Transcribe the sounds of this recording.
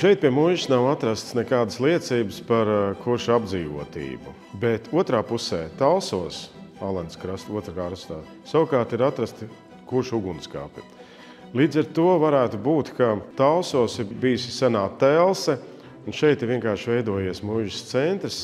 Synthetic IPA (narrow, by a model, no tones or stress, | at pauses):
ʃɛjt̪̚piɛmuʒisnawat̪ɾast̪snɛkaːd̪əslˠiɛt̪siːbəspaɾkuɾʃab̚d̪ziːʋuɔt̪ḭːbṵ | bet̪ʰuɔt̪ɾaːpusɛːt̪alˠsuɔsalˠɛnskɾast̪uɔt̪ɾakaːɾst̪aː | sawkaːɾt̪iɾat̪ɾast̪ | kuɾʃuɡunska̰pʲɪ̰ | lˠiːd̪zaɾt̪uɔvaɾæːt̪ubuːt̪kat̪alˠsuɔsibijusisanaːt̪ɛlˠsɛ | unʃɛjt̪ɪɾʋiɛŋkaːɾʃvɛjd̪uɔjiɛsmuʒɪst̪sɛnt̪ɾəs